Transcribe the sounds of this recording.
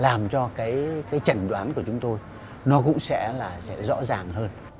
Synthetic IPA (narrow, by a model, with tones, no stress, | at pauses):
laː˨˩mt͡ɕɔ˧kaː˨˦jkaː˨˦jt͡ɕə˨˩nɗwaː˨˦nku˧˩ət͡ɕʊ˨˦ŋ͡mt̪o˧j | nɔ˨˦kʊ̰˧˥ŋ͡msɛ̰˧˥laː˨˩sɛ̰˧˥zɔ̰˧˥zaː˨˩ŋhəː˧n